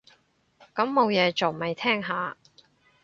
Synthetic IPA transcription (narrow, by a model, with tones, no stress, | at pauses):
kɐ˨˥mːo˨˧wjɛː˨˧t͡so˨˩wmɐ˨˩jt̪ʰɛː˥ŋɦaː˨˧